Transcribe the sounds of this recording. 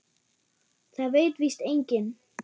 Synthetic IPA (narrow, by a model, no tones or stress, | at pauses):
θaðveːjt̪vist̪ejɲcɪn